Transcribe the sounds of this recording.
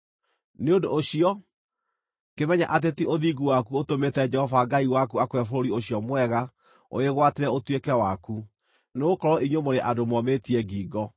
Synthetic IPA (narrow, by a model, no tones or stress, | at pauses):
neondoːɕiɔ | kemɛɲaʔat̬etiʔoðiɡuwakuotometɛd͡ʒɛhɔvaɡaiwakuakwɛfoɾoɾioɕiɔmwɛɣa | o̰eɣwateɾɛotwekɛwaku | neɣokɔɾɔiɲomoɾeʔadomwɔmetiɛɡiːɡɔ